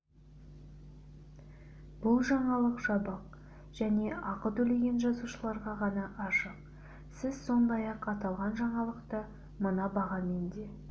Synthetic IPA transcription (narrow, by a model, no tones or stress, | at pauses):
bʊlˠʒɑɴɑlˠəqʒ̥ɑbəq̚ | ʒ̥æne̞ɑqət̪ɵle̞ɡʲenʒɑzuʃəlˠɑɾʁɑʁɑnɑʔɑʃəq̚ | sɪzso̞nd̪ɑjɑqɑt̪ɑlˠʁɑnʒɑɴɑlˠəqt̪ə | mənɑbɑʁɑme̞nd̪e̞